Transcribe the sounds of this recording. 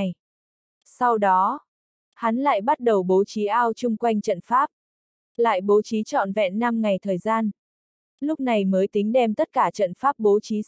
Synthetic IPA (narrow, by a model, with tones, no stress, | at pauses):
j | sa˧wɗɔ˨˦ | ha˨˦nla̰ː˧˨jɓa˦˥t̚ɗə˨˩wɓo˨˦t͡ɕi˨˦ʔaː˧wt͡ɕʊ˧ŋ͡mkwa˧jŋ̟t͡ɕə̰˧˨nfaː˦˥p̚ | la̰ː˧˨jɓo˨˦t͡ɕi˨˦t͡ɕɔ̰˧˨nvɛ̰˧˨nːa˧mŋa˨˩jt̪ʰəː˨˩jzaː˧n | lʊ˦˥k͡p̚na˨˩jməː˨˦jt̪ï˨˦ŋ̟ɗɛ˧mt̪ə˦˥t̚kaː˧˩t͡ɕə̰˧˨nfaː˦˥p̚ɓo˨˦t͡ɕi˨˦